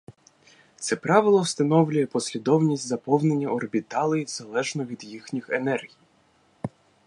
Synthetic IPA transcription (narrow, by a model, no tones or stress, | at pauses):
t̪sɛpɾɑʋɪlˠɔwst̪ɐnɔwlʲʊjɛpɔsʲlʲid̪ɔwnʲisʲtʲzɐpɔwne̞nʲːɐɔrbʲit̪ɑlˠɪjiwz̥ɐlˠɛʒnɔʋʲid̪jixnʲixenɛrɦʲij